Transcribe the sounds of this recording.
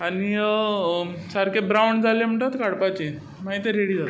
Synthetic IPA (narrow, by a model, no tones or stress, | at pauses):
ani | saɾkebɾawɳɖd͡zalem̤əɳʈ̪at̪kaɽpat͡ɕe | maɦit̪eɾeɽiːd͡zat̪